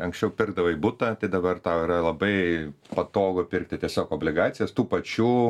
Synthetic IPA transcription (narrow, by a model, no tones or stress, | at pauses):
ɐŋksʲt͡ʃʲɛʊpʲɪrɡ̚d̪ɐʋɐibʊt̪ɐt̪ɐɪd̪ɐbɐrt̪ɑːiɾɐlˠɐbɐɪ | pɐt̪oːɡopʲɪɾk̚t̪ʲɪt̪ʲiɛsʲoːkoːbʲlʲɪɡɑːt̪sʲɪjɛst̪uːpɐt͡ʃʲuː